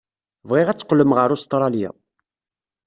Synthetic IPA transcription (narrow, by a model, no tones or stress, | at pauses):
vʁɪʁæt͡sːqːləmʁəɾust̪ɾˤɑlja̰